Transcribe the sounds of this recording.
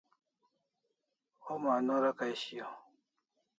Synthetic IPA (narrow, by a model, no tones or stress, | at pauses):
homanoɾakajɕijo